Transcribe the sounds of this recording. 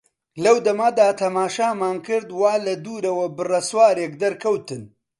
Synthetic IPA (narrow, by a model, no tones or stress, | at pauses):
lɐwd̪ɐmaːd̪aːt̪ʰɐmaːʃaːmaːnkɨɾd̪waːlɐd̪uːɾɐwɐbɨrɐswaːɾeːkd̪ɐɾkʰɐwt̪ɨn